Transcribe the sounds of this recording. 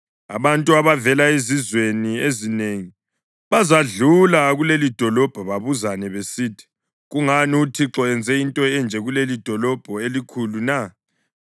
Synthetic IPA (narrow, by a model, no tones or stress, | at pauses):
a̰βantʼuaβavɛlaezizweniezineːŋi | βazaɮulaɣulelid̥ʱɔlɔb̥ʱɔβaβuzanɛβesiːtʰi̥ | ɣuŋaniutʰiǁɔɛnd͡zʱɛintʼɔɛnd͡ʒʱɛɣulelid̥ʱɔlɔb̥ʱɔelikʰuluna